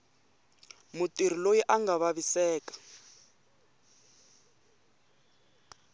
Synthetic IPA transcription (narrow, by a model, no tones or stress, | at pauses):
mutir̤ilojiʔaŋɡaβaβisɛːkḁ